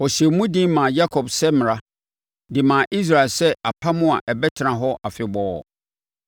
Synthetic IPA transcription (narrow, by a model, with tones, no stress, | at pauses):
ɔ˨ɕɛ˨mũ˦dĩ˦mã˨ja˦kʰɔ˨bsɛ˦mɪ̃˨ɾa˦ | dɪ˨mãː˨ʔi˦s̬ɾa˨lsɛ˦a˨pʰa˦mʊ̃˦a˨ʔɛ˨bɛ˦tʰɪ˨nã˨ɦɔ˦ʔa˨fɪ˨bɔː˨˦ɔ˨